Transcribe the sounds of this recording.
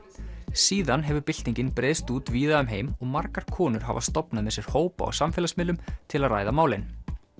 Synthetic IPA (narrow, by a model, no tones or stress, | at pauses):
siːðanɦɛvʏɾpɪl̥t̪niɲcɪnpɾeːðst̪uːt̪viːðaʏmɦejmɔɣmaɾkaɾ̥kʰɔːnʏɾ̥ɦa̰va̰st̪ɔpnamɛðsjɛɾ̥hoːwpa̰a̰samfɛːlasmɪlːʏmt̪ʰɪlaðra̰ːjðamaːwlɪn